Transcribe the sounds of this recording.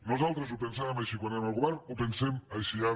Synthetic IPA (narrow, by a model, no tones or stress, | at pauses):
nuzalˠt̪ɾəzupensaβamajʃikwaneɾmalˠɣuβɛɾnupensɛmɐjʃia